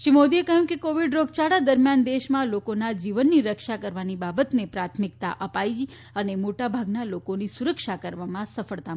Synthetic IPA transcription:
ʃimod̪iekəɦjũkekoʋiɖɾoɡ̚t͡ʃaɽad̪əɾmjand̪eʃmãlokonad͡ʒiʋənːiɾəkʃakəɾʋanibabət̪nepɾat̪ʰmik̚t̪a̰ʔəpajd͡ʒ | ənemoʈabʱaɡnalokonisuɾəkʃakəɾʋamãsəfəɭt̪a

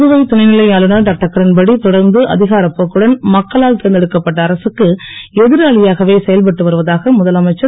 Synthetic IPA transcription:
ðɯʋɐɪt̪ʊnɐɪnɪlɐɪaːlɯnɐɖɐk̚ʈːɐkːɐɾɐnbɐɽit̪ɔɽɐɾnd̪ɯʔɐ̰ðɪɣaːɾɐpːoːkːɯɽɐnmɐkːɐɭaːlt̪ɪɾɐnd̪ɛɽɯkːɐpːɐʈːɐːɾɐsɯkːɯ | ɛðɪɾaːɭɪjaːɣɐʋeːsɛjɐlpɐʈːɯʋɐɾɯʋɐðaːɣɐmʊðɐlɐmɐɪt͡ʃːɐ

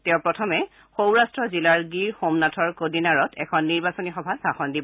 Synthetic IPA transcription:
tɛʊpɹɔtʰɔmɛ | xowɹastɹɔzilaɹɡiɹxomnatʰɔɹkodinaɹɔtʰɛkʰɔnːiɹbasɔnixɔbʱasaxɔndibɔ

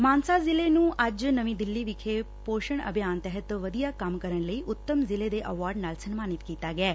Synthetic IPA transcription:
maːnsaːzɪleːnũːʔəd͡ʒnəʋĩːd̪ɪlːiːʋɪkʰeː | poːʃəɳə̰bʱjaːnt̪ɛɦət̪ʋəd̪ijaːkəmkəɾənləiːʔʊt̪ːəmzɪleːd̪eːʔəʋaːɾɖnaːlsənmaːnɪt̪kiːt̪aːɡɪɛː

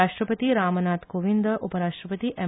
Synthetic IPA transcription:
aːʂʈɾəpət̪iɾaːmənaːt̪koʋind̪əʔupəɾaːʃʈɾəpət̪iʔɛ

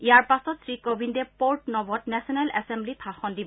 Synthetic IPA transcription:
ijaɹpasɔtsɹikobʱindɛpoɹʈnɔbɔtnɛsɔnɛlʔɛsɛmblitʰaxɔndibɔ

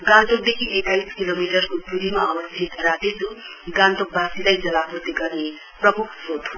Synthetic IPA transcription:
ɡãnt̪ok̚d̪ekʰiʔekajskilomiʈʌrkod̪uɾimaʌwʌst̪ʰit̪rat̪et͡su | ɡãnt̪ok̚bʱasilajd͡zʌlapurt̪iɡʌrne | prʌmukʰsot̪o

